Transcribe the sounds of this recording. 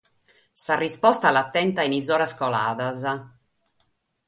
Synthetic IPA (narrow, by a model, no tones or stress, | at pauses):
sarispɔst̪alːat̪ːɛnt̪ainizɔːɾaskɔla̰ːðaza